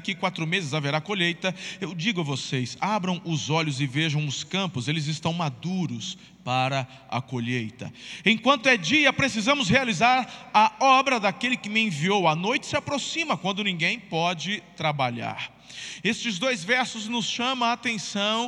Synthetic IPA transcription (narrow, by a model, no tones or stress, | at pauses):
kikwat̪ɾʊmezɪzaveɾakoʎejt̪ɐewd͡ʒiɡʊɐvosejsabɾɐ̃w̃ʊzɔʎʊzɪveʒɐ̃w̃ʊskɐ̃pʊzelɪzɪst̪ɐ̃w̃mad̪uɾʊs | paɾɐ | ɐ̰koʎejt̪ɐ̰ẽj̃kwɐ̃nt̪ʊɛd͡ʒiɐpɾesizɐ̃mʊshealizaɾɐɔbɾɐd̪akelɪkɪmɪẽviowɐnojt͡ʃɪ̥sɪapɾosĩmɐkwɐ̃nd̪ʊnĩɡẽj̃pɔd͡ʒɪt̪ɾabaʎa̰ɾ | est͡ʃɪzd̪ojzvɛɾsʊznʊsʃɐ̃mɐ̃at̪ẽsɐ̃w̃